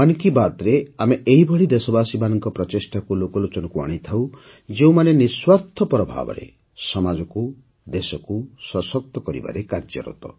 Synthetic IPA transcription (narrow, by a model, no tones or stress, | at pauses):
ankibat̪ɾeameʔeɦibʱɔɭid̪esɔbasibanɔŋkɔpɾɔt͡ʃesʈakulokɔlot͡ʃɔnɔkua̰ɽ̃it̪ʰaw | d͡ʒeũmaneniswaɾt̪ʰɔpɾɔbʱa̰bɔ̰ɾḛ | sɔmad͡ʒɔku | d̪esɔkusɔsɔk̚t̪ɔkɔɾḭba̰ɾekaɾd͡ʒɔ̰ɾɔ̰t̪ɔ̰